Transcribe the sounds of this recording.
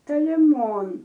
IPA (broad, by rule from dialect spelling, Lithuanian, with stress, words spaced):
toːlʲɪˈmoːn